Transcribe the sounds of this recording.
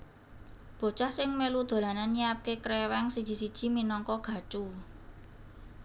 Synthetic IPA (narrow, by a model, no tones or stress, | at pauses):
b̥o̤t͡ʃahsɪŋmelud̪̥o̤lananːiap̚kekɾɛwɛŋsid̥ʒ̥i̤sid̥ʒ̥i̤minɔŋkɔɡ̥ä̤t͡ʃu